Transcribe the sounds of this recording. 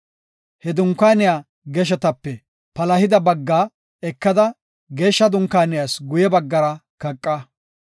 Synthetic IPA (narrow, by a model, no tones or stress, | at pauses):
hɛd̪ʊŋkːaːnɪjaː | ɡɛʃ̬ɛt̪ɐpːɛ | pɐlɐhɪd̪ɐbɐɡːaː | ɛkːɐd̪ɐ | ɡe̞ːʃːɐd̪ʊŋkːaːnɪjaːsɡʊjɛbɐɡːɐɾɐkɐkʼːɐ